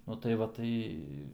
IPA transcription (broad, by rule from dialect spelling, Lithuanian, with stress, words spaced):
nʊ tɐɪ ˈʋɐ ˈtɐɪ